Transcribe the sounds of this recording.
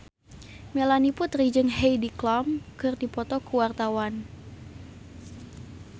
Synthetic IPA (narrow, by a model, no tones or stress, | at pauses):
melaniput̪rid͡ʒəŋɦejdiklɔmkɨrdipɔt̪ɔkuwart̪awan